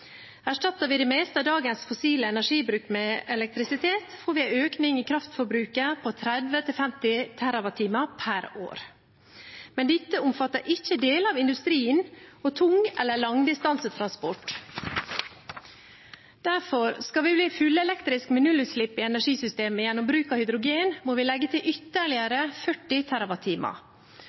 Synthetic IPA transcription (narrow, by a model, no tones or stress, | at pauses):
æʂʈɑt̪ːəʋɪːd̪ɛːmɛɪst̪əd̪ɑːɡənsfʊsiːləɛnæʂiːbɾʉːkmɛɛlɛk̚t̪ɾɪsɪt̪ʰeːt̪foːɾʋɪæøːknɪŋiːkʰɾɑft̪fɔɾbɾʉːkəpʰot̪ʰɾɛd̪ʋət̪ʰɪlfɛmt̪ɪt̪ʰæɾɑʋɑt̪ʰiːməpʰæɾo̰ːɾ | mɛnd̪ɪt̪ːəʊmfɑt̪ːəɾʔɪçəd̪eːlɑʋɪnd̪ʉst̪ɾiːənɔt̪ʰʊŋɛ̰lːəɭɑŋd̪ɪst̪ɑnsət̪ʰɾɑnspɔʈ | d̪̥æɾfɔɾskɑʋɪbliːfʉlːəɛlɛkt̪ɾɪskmɛnʉlʉt̪sʂɭɪpːɪɛnæʂiːsʏst̪eːməjɛnːɔmbɾʉːkɑhʏd̪ɾʊɡeːnmoːʋɪlɛɡːət̪ʰɪlʔʏt̪ːəɭɪəɾəfœʈːɪt̪ʰæɾɑʋɑt̪ʰiːmɑ̰